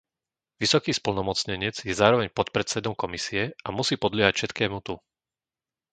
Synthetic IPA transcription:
ʋisɔkiːspl̩nɔmɔt͡sɲɛɲɪɛd͡zjɛzaːɾɔʋɛɲpɔt̪pɾɛt͡sɛd̪ɔmkɔmisiɛamusiːpɔd̪lɪɛɦacfʃɛt̪kɛːmut̪u

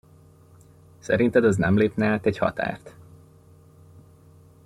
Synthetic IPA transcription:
sɛ̰ɾint̪ɛd̪ɒznɛmleːpnɛat̪ɛchɒ̰t̪a̰ːrt̪

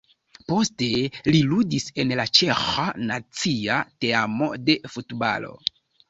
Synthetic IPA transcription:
po̞ste̞liludise̞nlat͡ʃe̞xanat͡siateamo̞̰de̞futba̰lo̰

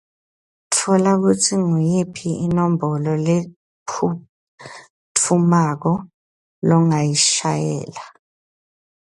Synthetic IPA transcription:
tʰɔlak̬utʰiŋujipʰiinɔmbʱɔlɔle | u | tʰumak̬ɔ | lɔŋajiʃajɛ̰ːla

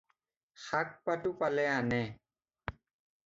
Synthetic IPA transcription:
xak̚patupalɛanɛ

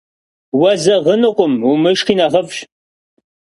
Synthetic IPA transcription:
wɐzɐʁənɨqʷʊmumɨʃχiːnɐʁɐfɕ

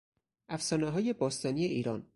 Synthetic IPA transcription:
ʔæfsɒːneɦɒːje̞bɒːst̪ɒːnijeiːɾɒːn

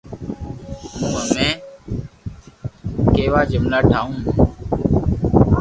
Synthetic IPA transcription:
mũːəmẽː | keːʋaːd͡ʒɪmlaːʈʰaːũː

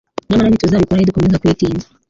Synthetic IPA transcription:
namanavituzavikuɾahidikunɛzakuitinza

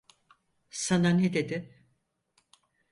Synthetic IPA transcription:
sananed̪e̞d̪ɪ

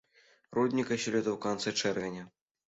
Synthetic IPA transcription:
rɔd̪ʲnʲikɐɕʲilʲɛd̪ɐwkant̪sɨt͡ʂɛrvʲɛnʲɐ

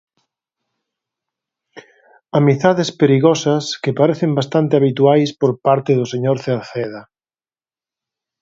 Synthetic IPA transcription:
amiθaðespeɾiɣɔsɐskepaɾeθembast̪ant̪ɪaβit̪uajspoɾpaɾt̪eðʊseɲoɾθeɾθeða

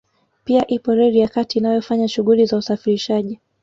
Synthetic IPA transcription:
piaʔipɔɾɛɾijakatiːnajɔfaɲaʃuɣulizausafiɾiʃaʄi

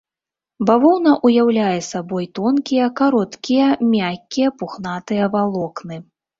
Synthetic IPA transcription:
bavɔwnɐʔujawlʲajɛsabɔjt̪ɔnkʲijɐkaɾɔt̪kʲijɐmʲakʲːijɐpuxnat̪ɨjɐvalˠɔknɨ

